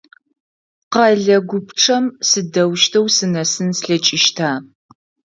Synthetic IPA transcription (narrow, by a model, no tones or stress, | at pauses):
qɐɮɐɡʷʊpʰʈ͡ʂʰʼɐmsɨdɐwʃtʰɐwsɨnɐsɨnsɬɐt͡ʃʼɪʃtʰaː